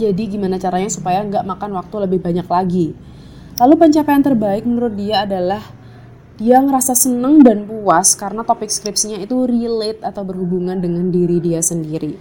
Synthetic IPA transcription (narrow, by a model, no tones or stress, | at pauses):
d͡ʒadiɡimanat͡ʃaɾaɲasupajaəŋɡaʔmakanwak̚t̪uləbɪhbaɲaklaɡi | lalupəɲt͡ʃapaant̪ərbaɪk̚mənuɾʊt̪̚diaːdalah | d̥iaŋəɾasasənəŋdanpuaskaɾənat̪opɪk̚skɾɪpsiɲait̪urilɪt̪̚at̪awbərhubuŋandəŋandiɾidiasəndiɾi